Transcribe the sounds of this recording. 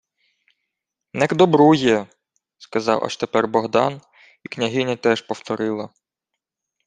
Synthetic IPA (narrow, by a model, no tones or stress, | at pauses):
nɛkd̪ɔbɾujɛ | skɐzɑ̰wʔa̰ʃt̪epɛrbɔɦd̪ɑ̰n | iknʲɐɦɪnʲɐt̪ɛʃpɔwt̪ɔɾɪlˠɐ